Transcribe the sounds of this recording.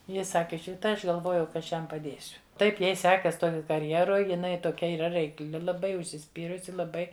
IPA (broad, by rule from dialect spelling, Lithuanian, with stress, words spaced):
ˈjɪ ˈsɑːkʲɪ tɐɪ ˈɐʃ ɡɐlˠˈʋoːjɛʊ kɐ ˈɐʃ ˈjɛm pɐˈdʲeːsʲʊ ˈtɐɪp ˈjɛɪ ˈsʲæːkɐs ˈtoːj kɐrʲˈjæːroːj jɪˈnɐɪ toːˈkʲɛ iːˈrɐ rʲɛɪkˈlʲɪ lˠɐˈbɐɪ ʊʃʲsʲɪˈsʲpʲiːrʊsʲɪ lˠɐˈbɐɪ